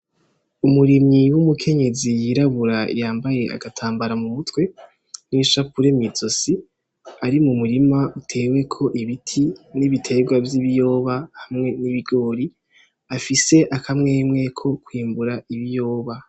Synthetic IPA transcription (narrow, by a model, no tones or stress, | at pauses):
umuɾimɲiwumukʰe̞ɲe̞zijiɾaβuɾa̰jaːmbaje̞ʔa̰ɡatʰaːmbaɾamumutwe̞ | niʃapuɾe̞miz̥o̞si | aɾimumuɾimautʰe̞ːwe̞kʰo̞ʔiβitʰiniβitʰe̞ɡwavjiβijo̞ːβahamŋe̞niβiɡo̞ːɾi | afise̞ʔakʰamŋe̞ːmŋe̞kʰo̞kwiːmbuɾaiβijo̞ːβa